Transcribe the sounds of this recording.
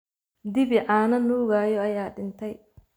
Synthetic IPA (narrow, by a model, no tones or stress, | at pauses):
d̪ɪbɪʕaːnɐnuːɣaːjɔɐjaːɗɪnt̪ʰɛj